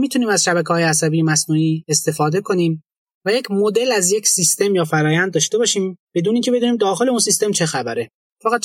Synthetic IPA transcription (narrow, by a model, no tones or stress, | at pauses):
miːt̪ʰuniːmæzʃæβækʰehɒːjeæs̬æbijemæsnuːniːe̞st̪e̞fɒːd̪e̞kʰo̞niːm | væje̞cʰmod̪e̞læzje̞cʰsist̪e̞mjɒːfæɾɒːjænd̪̚ːɒːʃt̪e̞bɒːʃiːmb̥e̞d̪uːneiːŋcʰebe̞d̪uːniːmd̪ɒːxe̞leunsist̪emt͡ʃʰe̞xæbæɾe | fæɣæd̪̚